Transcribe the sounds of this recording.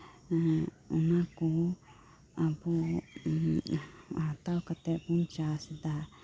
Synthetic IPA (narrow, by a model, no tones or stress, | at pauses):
unãku | apu | at̪aukat̪epunt͡ʃasid̪a